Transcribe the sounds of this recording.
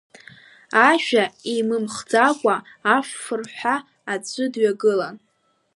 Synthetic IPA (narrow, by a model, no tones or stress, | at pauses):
aʒᶣaimɨmχd͡zakʷʼaːfːɨrħʷaː | t͡sʷʰʼɨdɥaɡɨlan